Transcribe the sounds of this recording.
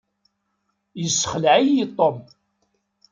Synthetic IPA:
jəsːəχəlʕijit̪ˤːom

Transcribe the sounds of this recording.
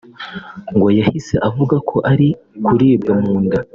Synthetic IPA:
ŋɡojahise̞ʔavuɡakʰo̞ʔaɾi | kuɾiːbɡamuːnda

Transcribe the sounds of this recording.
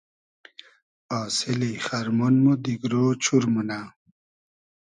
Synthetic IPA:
aːsiliχaɾmunmod̪iɡɾoːt͡ɕʰuɾmuna

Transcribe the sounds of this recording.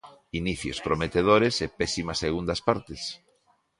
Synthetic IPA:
iniθjo̰spɾomet̪eð̞oɾesepɛsimɐsːeɣ̞und̪ɐspaɾt̪es

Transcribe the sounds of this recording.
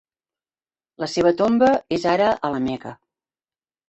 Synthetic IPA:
ləseβ̞ət̪ombəezaɾəʔələmɛkə

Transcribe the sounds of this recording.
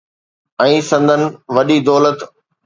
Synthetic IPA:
ɛ̃ːsɐ̃nd̪ʱənɪ̆ʋɐɗid̪ɔːlət̪

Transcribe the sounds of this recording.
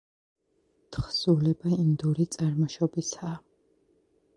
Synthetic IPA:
t̪ʰχsulɛbaind̪uɾit̪sʼaɾmɔʃɔbisaː

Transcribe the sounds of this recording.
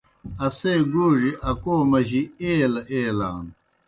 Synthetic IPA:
ɐseːɡoːʐiʔɐkoːmɐʑieːlɐʔeːla̰ːn

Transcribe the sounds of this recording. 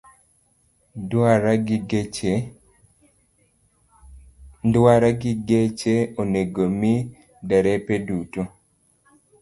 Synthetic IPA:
daɾaɡe | daɾaɡiɡet͡ʃeoneɡomi | dɛɾɛpeduto

